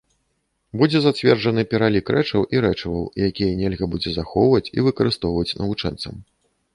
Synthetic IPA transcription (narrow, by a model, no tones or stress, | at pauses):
bud͡zʲɛzat͡sʲvʲɛrd͡ʐɐnɨpʲɛɾalʲikɾɛt͡ʂɐwʔiɾɛt͡ʂɐvɐwijakʲijɐnʲɛlʲɣɐbud͡zʲɛzaxɔvɐt͡sʲḭvɨkɐɾɨst̪ɔwvɐt͡sʲnʔɐ̰vut͡ʂɛ̰nt̪sɐ̰m